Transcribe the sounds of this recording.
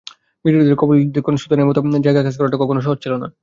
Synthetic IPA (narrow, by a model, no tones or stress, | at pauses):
biɾuɾud̪eɾkɔbolid̪eɾkonoʃut̪anemot̪amoneɾd͡ʑajɡakat͡ɕʰe̥kɔɾaʈakɔkonoʃɔɦoɾt͡ɕʰilona̰